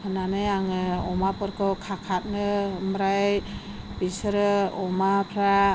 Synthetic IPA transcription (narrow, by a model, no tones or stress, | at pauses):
pʰɯnanajaŋɯɔmapɯɾkɔkʰakʰat̪̚nɯmɾaj | pisɾɯɔmapʰɾa